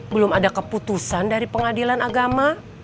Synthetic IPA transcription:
bəlʊmadakəput̪usandaɾipəŋadilanaɡama

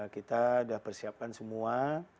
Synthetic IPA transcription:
kit̪adahpərsiap̚kansəmua

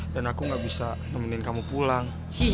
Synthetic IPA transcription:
danakuŋɡaʔbisa | nəməninkamupulaŋ | si

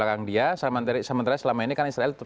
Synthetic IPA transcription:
lakaŋdiasəmant̪aɾsəmənt̪aɾasəlamainikanaisɾaɛlt̪

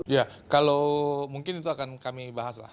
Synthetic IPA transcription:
ijakalomuŋkɪnit̪uakankamibaɦasla̰h

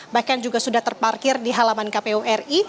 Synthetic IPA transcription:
bahkand͡ʒuɡasudaht̪ərparkɪrdiɦalamankapeuʔɛri

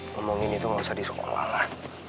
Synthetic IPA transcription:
ŋɔmɔŋinit̪uŋabisadisoko̰la̰la

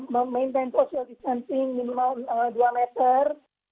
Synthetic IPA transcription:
məmejnt̪ejnsosialdist̪ansɪŋminimaəduamɛt̪ər

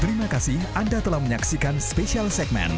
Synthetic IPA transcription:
t̪əɾimakasɪhandat̪əlahməɲaksikanspeʃialsɛk̚mɛ̰̃n

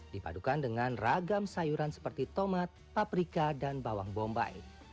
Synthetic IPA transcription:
dipa̰dukandəŋanraɡamsajuɾansə̥pərt̪it̪omat̪̚papɾikadanbawaŋbɔmba̰j

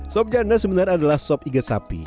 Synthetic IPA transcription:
sɔp̚d͡ʒanasəbənaradalahsɔpiɡasa̰pḭ

